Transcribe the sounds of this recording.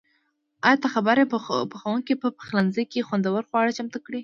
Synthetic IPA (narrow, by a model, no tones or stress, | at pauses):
ɑjɑt̪axabaɾepəxawuŋkipəpə̥xlanzəjkexwand̪awəɾxwɑɽat͡ʃamt̪akɽi